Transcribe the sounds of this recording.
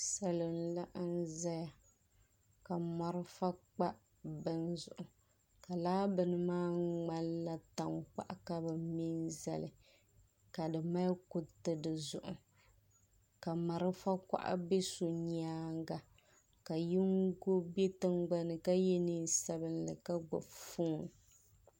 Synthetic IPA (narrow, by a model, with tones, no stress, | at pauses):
sa˨lɨ˨nla˦ʔn̩˦za˦ja˨ | ka˨mɔ˨ɾɨ˦fa˦k͡pa˦ | bɨ˦nzʊ˨ʔʊ˨ | ka˨laː˦bɨ˨nɨ˨maː˦ŋ͡ma˦lla˦ta˨ŋk͡pa̰˦ʔa˨ka˦bɨ˨mi˦nza̰˨lɨ˨ | ka˨dɨ˨ma˦kʊ˦tɨ˨dɨ˨zʊ˨ʔʊ̰˨ | ka˨ma˨ɾɨ˦fa˦kʷa̰˦ʔa̰˦be˦su˨ɲaː˦ŋɡa˨ | ka˨ji˦ŋɡo˦be˦tɨ˦ŋɡ͡ba˦nɨ˨ka˦jɛ˦ni˦sa˦bɨ˦nlɨ̰˨ka˦ɡ͡bʊ̰˨fuː˦˨n˨